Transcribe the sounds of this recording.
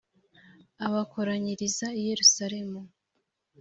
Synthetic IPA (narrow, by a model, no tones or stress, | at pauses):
aβakoɾaɲiɾizaije̞ɾusaɾe̞mu